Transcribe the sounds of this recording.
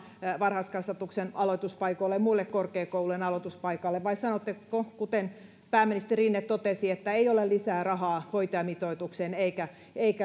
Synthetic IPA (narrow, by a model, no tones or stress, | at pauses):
ʋɑnrhɑskɑsʋɑt̪uksenɑloit̪uspɑikoilːemmuilːekkorkeːkouluenɑlot̪uspɑikɑlːeʋʋɑisɑnot̪ːekokut̪en | pæːmːinist̪eriːnːett̪ot̪esiet̪ːæeiolelisæːrɑhɑːhoit̪eɑmit̪oit̪ukseneikæ | eikæ